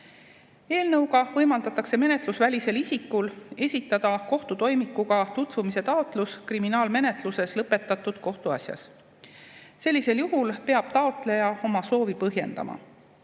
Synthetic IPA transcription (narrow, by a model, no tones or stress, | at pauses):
e̞ːlnɤwɡɑvɤjmɑld̪̥ɑt̪ːˑɑkse̞me̞net̪lusvælʲise̞lisikːˑule̞sʲit̪ːˑɑd̪̥ɑko̞ht̪ut̪o̞jmikːuɡ̥ɑt̪ut̪vumise̞t̪ɑo̞t̪ˑluskriminɑːlme̞ne̞t̪luse̞slɤpe̞t̪ːˑɑt̪ːˑud̪̥̚ko̞ht̪uɑ̰sjɑ̰s | se̞lʲːise̞ljuɦulpe̞ɑb̥̚t̪ɑo̞t̪le̞jɑo̞mɑso̞ːvipɤɦje̞̰nd̪̥ɑ̰mɑ̰